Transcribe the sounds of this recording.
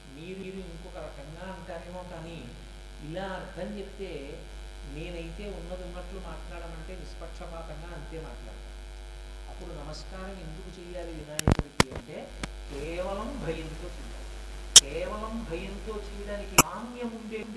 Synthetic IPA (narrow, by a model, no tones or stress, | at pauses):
miːɾuːɾuiŋkɔkɐɾɐkɐŋɡaːɐɳʈaːɾe̞ːmoːkaːni | ilaːɐɾd̪ʱɐmt͡ʃepi̥t̪e̞ː | ne̞ːnɐjit̪e̞ːunːɐd̪unːɐʈlumaːʈlaːɽɐmɐɳʈe̞ːnispɐkʂɐbʱaːɡɐŋɡaːɐnt̪e̞ːmaːʈla̰ːɽt̪a̰ːɽu | ɐpːuɽunɐmɐskaːɾɐme̞nd̪ukut͡ʃɛːjaːlid̪inaːneːpoɾit̪iɐɳʈe̞ː | kɛːʋɐlɐmbʱɐjɐnt̪oːt͡ʃeːa̰ː | kɛːʋɐlɐmbʱɐjɐnt̪o̞ːt͡ʃɛːjɐɽaːnikiaːnjɐmuɳɖeːɳɖi